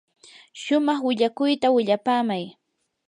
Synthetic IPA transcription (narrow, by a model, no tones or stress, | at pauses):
ʃʊmɑχwɪʎakʊjt̪awɪʎapaːmaj